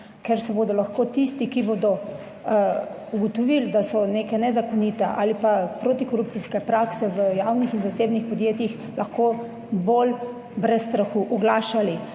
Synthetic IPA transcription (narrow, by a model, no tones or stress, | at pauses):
kɛɾsɛbod̪ɔlaxkoːt̪ist̪ikiboːd̪ɔ | uɡɔt̪ɔʋild̪asɔneːkɛnɛzakɔnit̪ɛʔa̰ːlipapɾoːt̪ikɔɾup̚t̪siskɛpɾaksɛʋəjawnixinzaseːbnixpɔd̪jeːt̪jix | laxko | bol | bɾɛsst̪ɾaxuʔɔɡlaːʃali